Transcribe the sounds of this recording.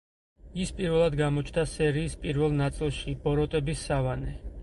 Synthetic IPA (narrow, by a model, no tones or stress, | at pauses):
ispʼiɾvɛlˠad̪ɡamɔt͡ʃʰd̪asɛɾiːspʼiɾvɛlˠnat̪sʼilˠʃibɔɾɔt̪ʼɛbisːavanɛ